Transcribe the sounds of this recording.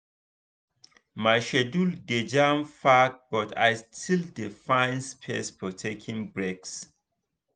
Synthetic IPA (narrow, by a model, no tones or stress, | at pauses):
maɪʃɛdulded͡ʒãmfak̚bɔta̰ɪstʰildifãɪ̃nspʰɛ̰spʰɔtʰekʰĩŋbɹeks